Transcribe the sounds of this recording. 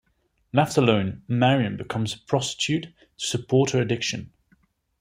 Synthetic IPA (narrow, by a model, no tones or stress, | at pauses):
laftələ̃ʊ̃nmaɹiə̃nbɪkʰʌ̃mz̥pʰɹ̥ɒstɪ̥t͡ʃʰʉˑtʰ | ə̥səpʰɔˑtəɹədɪkʃə̃n